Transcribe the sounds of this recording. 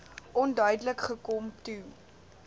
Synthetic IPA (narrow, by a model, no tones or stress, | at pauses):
ʔɔndœɥdələkχəkɔmtu